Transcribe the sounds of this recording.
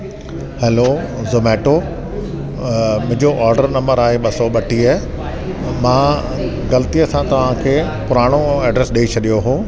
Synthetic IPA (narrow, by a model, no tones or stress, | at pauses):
hɛːlozomeːʈo | mʊ̃ɦɪ̃ɲd͡ʑoʔaːɾɖəɾnɐ̃mbəɾaːɦeɓɐsɔɓɐʈʰiəɦ | mãː | ɡɐlət̪ijəsãt̪ɐʋ̤ãkʰeː | pʊɾaːɽ̃oɛːɖɾeːsɗit͡ɕʰɐɗijoɦoː